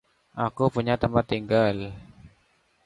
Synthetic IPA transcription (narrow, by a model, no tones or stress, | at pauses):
ʔakupuɲat̪əmpat̪ːiŋɡal